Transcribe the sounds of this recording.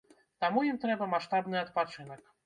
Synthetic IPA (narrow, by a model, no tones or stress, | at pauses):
t̪amujimt̪ɾɛbɐmaʂt̪abnɨɐt̪pat͡ʂɨnɐk